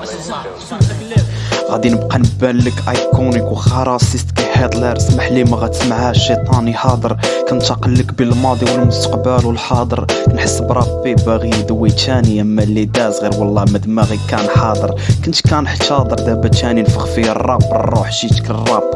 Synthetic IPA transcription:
ɣæ̰d̪inəbqɑnəbːænləkʔɑjkunikwxɑɾˤɑsˤist̪kæjħed̪ˤliɾsmaħlimæɣæt̪ə̥smaʕhæʃːit̪ˤɑniħɑd̪ˤəɾˤkænt̪ɑqəlːəkbəlmɑd̪ˤiwəlmʊst̪ə̥qbælwəlħɑd̪ˤəɾkænħəsːbɾˤɑbibæɣid̪wit̪ʰæniʔæmːælid̪æzɣiɾwɑlˤːɑməd̪mæɣikænħɑd̪ˤəɾkənt̪kænħt̪ɑd̪ˤəɾˤd̪æbæt̪æninfəxfiærˤːɑbərˤːoħʃit̪ə̥klərˤːɑb

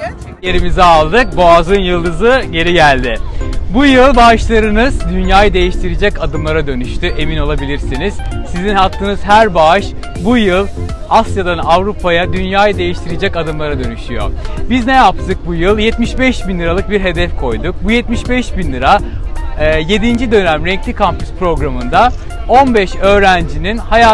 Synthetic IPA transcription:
jeɾimizɛalˠd̪ɯk̚boazɯnjɯlˠd̪ɯzɯɟe̞ɾiɟælʲd̪ɪbujɯlˠbaʃlˠaɾɯnɯz̥d̪ynjaːjɯd̪e̞jiʃt̪ʰiɾed͡ʒɛcad̪ɯmlˠaɾad̪ø̞nyʃt̪ʰyʔe̞mino̞lˠabilʲiɾsiniz̥sizinhap̚t̪ʰːɯːnɯz̥ɦæɾbaɯʃ | bujɯlˠ | asjad̪anavɾupʰajad̪ynjaːjɯd̪e̞jiʃt̪ʰiɾid͡ʒɛcad̪ɯmlˠaɾad̪ø̞nyʃyjo̰biznejap̚t̪ʰɯk̚bujɯlˠjɛt̪miʃbɛʃbinlʲɯɾalˠɯk̚biɾɦe̞d̪ɛfkʰo̞jd̪uk̚bujɛt̪miʃbɛʃbinlʲɯɾaː | je̞d̪ind͡ʒid̪ø̞næmɾɛɲclʲikʰampyspɾo̞ɡɾamɯnd̪a | o̞nbɛʃø̞ːɾænd͡ʒininhaja

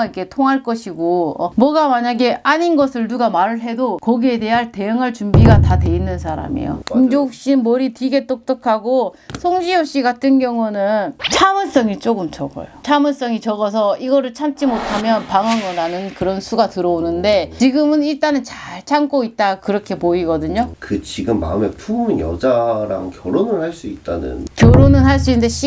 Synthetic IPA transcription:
ikʰe̞tʰoŋɦaɭk͈ʌɕʰiɡoʌmwʌɡamaɲaɡe̞ʔaɲinɡʌsʰɯɭnuɡamaɾɯɭɦe̞dokʌɡie̞te̞ɦaɭte̞jɯŋɦaɭt͡ɕumbiɡatate̞inːɯnsʰaɾa̰mḭjo̰imd͡ʑouk̚ɕ͈immʌɾitiɡe̞t͈ok̚t͈ʌkʰaɡo | sʰoŋd͡ʑiʌɕ͈iɡatʰɯnɡjʌŋunɯnt͡ɕʰamɯs͈ʌŋit͡ɕ͈oɡɯmt͡ɕʌɡʌ̰jot͡ɕʰamɯs͈ʌŋit͡ɕʌɡʌs̬ʰʌiɡʌɾɯɭt͡ɕʰamt͡ɕ͈imotʰamjʌnpaŋaŋɯɾanɯnkɯɾʌnsʰuɡatɯɾʌonɯnde̞t͡ɕiɡɯmɯniɭt͈anɯnt͡ɕaɭt͡ɕʰaŋk͈oit̚t͈akɯɾʌkʰe̞poiɡʌdɯɲokɯt͡ɕiɡɯmːa̰ɯme̞pʰuɯnjʌ̰d͡ʑaɾa̰ŋkjʌɾonɯɭhaɭs͈uit̚t͈a̰nɯ̰nkjʌɾonɯnɦaɭs͈uindeɕ͈ʰi

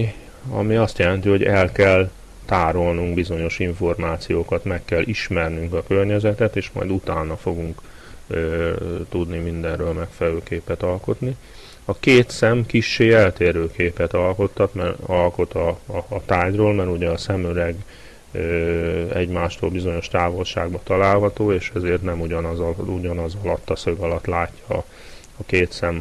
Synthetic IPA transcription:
ɒ̰miɒst̪jɛlɛnt̪iɦo̞ɟɛlkɛl | t̪aːɾolnuŋɡbizo̞ɲo̞ʃiɱfo̞rmaːt̪sijoːkɒt̪mɛkːɛlːʔiʃmɛrnyŋkɒkørɲɛzɛt̪ɛt̪eːʃmɒ̰jd̪ut̪aːnɒfo̞ɡuŋkː | t̪ud̪nimind̪ɛnrøːlmɛkfɛlɛløːkeːpɛt̪ɒlko̞t̪ni | ɒkeːt̪sɛmkiʃːeːɛlt̪eːɾøːkeːpɛt̪ɒlko̞t̪ʰːɒt̪mɛrɒlko̞t̪ɒːt̪aːɟroːlmɛɾuɟɛɒsɛmølɛɡ | øɛ̰ɟmaːʃt̪o̰ːlbizo̞ɲo̞ʃt̪aːvo̞lʃa̰ːɡbɒt̪ɒlaːlɦɒt̪oːeːʃɛzeːrt̪nɛmuɟɒnzuɟɒnɒzɒlɒt̪ːɒsøɡɒlɒt̪laːcːɒ | ɒkeːt̪sɛm

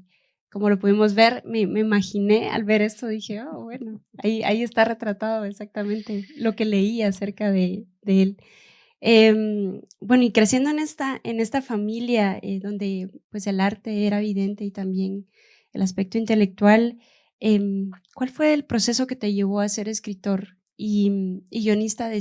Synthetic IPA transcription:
ko̞mo̞lo̞puðimo̞zβe̞ɾme̞me̞imaxine̞a̰lβe̞ɾe̞st̪o̞ðixe̞oβwe̞no | aia̰ie̞st̪are̞t̪ɾat̪aðo̞esak̚t̪amẽ̞nt̪e̞lo̞ke̞le̞iase̞ɾkaðe̞ | d̪eel | embwe̞no̞ikɾe̞sje̞nd̪oene̞st̪aʔe̞ne̞st̪afamiljaḛðo̞nd̪e̞pwe̞se̞laɾt̪e̞eɾaeβiðe̞nt̪e̞it̪ambje̞n | ḛlaspe̞k̚t̪oint̪e̞le̞k̚t̪wal | emkwalfwe̞ːlpɾo̞se̞so̞ke̞t̪e̞ʝe̞ɣ̞o̞ase̞ɾe̞skɾit̪o̞ɾ | iiɣjo̞nist̪aðe

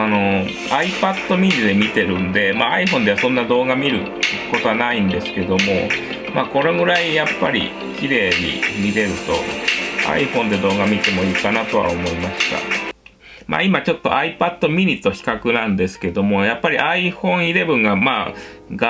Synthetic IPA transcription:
ano̞ | aipat̪ːo̞mʲiɲʲid̪e̞mʲit̪e̞ɾɯ̟̃nd̪e̞maːaiɸõ̞nd̪e̞βasõ̞nːad̪o̞ːɡamʲiɾɯ̟ | ko̞t̪o̞βanaĩnd̪e̞sɨ̥ke̞d̪o̞mo̞ | mako̞ɾe̞ɡɯ̟ɾaijapːaɾʲḭ | kʲiɾe̞ːɲ̟ḭmʲiɾe̞ɾɯ̟t̪o̞̰a̰iɸõ̞nd̪e̞d̪o̞ːɡamʲit̪e̞moiːkanat̪o̞βa̰omo̞imaɕi̥t̪a̰ | ma̰ːimat͡ɕo̞t̪ːo̞̰ʔaipat̪ːo̞mʲiɲ̟it̪ːo̞çi̥kakɯ̟nãnd̪e̞sɨ̥ke̞d̪o̞mo̞japːaɾʲiʔaiɸõ̞ɰ̃iɾe̞bɯ̟̃ŋɡamaː | ɡa

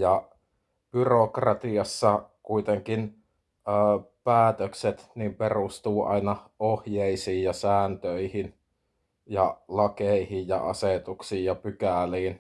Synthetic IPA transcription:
jɑ | b̥yrokrɑt̪iɑsːɑkuit̪eŋkin | əːpæːt̪økset̪nimperust̪uːʔɑ̰inɑohjeisiːjjɑsæːnt̪øihin | jɑlɑkeihijjɑ̰ʔɑset̪uksiːjjɑpykæˑliːn

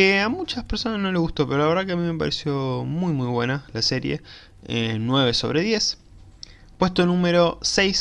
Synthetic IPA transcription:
eamut͡ʃaspeɾsonazno̞leɣust̪o̞peɾola̞eɾðak̬eamime̞pa̰ɾesjo̞mujmujβwe̞nalase̞ɾjḛ | ḛnwe̞β̞e̞so̞βɾeðje̞s | pwe̞st̪onũmeɾo̞sejs

